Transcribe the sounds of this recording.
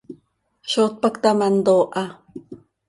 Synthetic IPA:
ʃot̪̚pakt̪amand̪oːʔa

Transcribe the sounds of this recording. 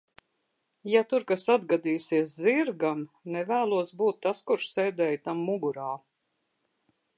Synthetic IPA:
jat̪uɾkasad̪ɡad̪iːsiɛs̬ziɾɡam | nɛvæːlˠuɔsbuːt̪ːaskuɾʃsɛːd̪ɛːjt̪amːuɡuɾaː

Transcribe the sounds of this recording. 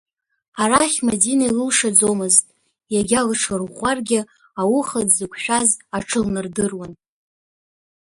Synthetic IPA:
aɾaχʲmadinailɨlʂad͡zomɨztʼ | jaɡʲalʈ͡ʂʰɨrʁʷarɡʲɪ | awʊχadzɨkʷʰʃᶣazaʈ͡ʂʰɨlnɨrdɨrwan

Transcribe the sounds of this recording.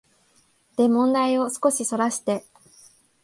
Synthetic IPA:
d̪̥e̞mõ̞nd̪aio̞sɨ̥ko̞ɕiso̞ɾaɕi̥t̪e̞

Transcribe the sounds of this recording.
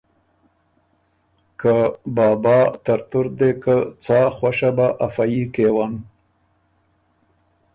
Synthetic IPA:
kəbɑːbɑt̪aɾt̪ʊɾd̪ekət͡sɑxwaʃabaʔafajikewan

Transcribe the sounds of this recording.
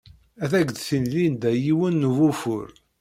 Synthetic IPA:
æθæɡd̪θinlind̪æjiwənːuvufʊ̰ɾ

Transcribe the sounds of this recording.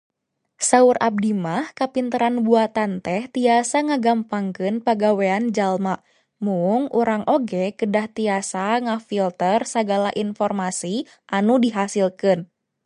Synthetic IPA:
saurʔa̰b̚dimahkapint̪əɾanbuat̪ant̪ɛht̪iasaŋaɡampaŋkɨnpaɡaweand͡ʒalma | muŋuɾaŋʔoɡɛkədaht̪iasaŋafilt̪ərsaɡalaʔinfɔrmasi | ʔanudiɦasilkɨn

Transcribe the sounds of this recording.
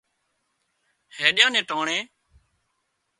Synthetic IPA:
heːɗjãːnẽːʈaːɳeː

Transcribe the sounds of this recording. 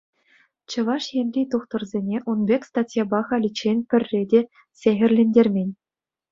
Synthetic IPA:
t͡ɕɤ̆ʋɑʂjenʲrʲit̪uχt̪ɤ̆rzʲenʲeʔunbʲekʲst̪ɑtʲjɑbɑχɑlʲit͡ɕenʲpʲɘ̆rʲːedʲe | sʲeɣʲɘ̆rʲlʲenʲdʲerʲmʲenʲ

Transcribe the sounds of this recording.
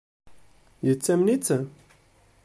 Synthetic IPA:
jət͡sːæmnit͡sːə

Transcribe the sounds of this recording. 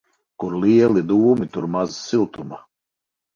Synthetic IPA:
kuɾliɛlˠid̪uːmit̪uɾmazsilˠt̪uma

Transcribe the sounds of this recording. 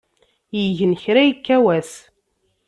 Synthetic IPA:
jəʝənçɾæjikːæwæs

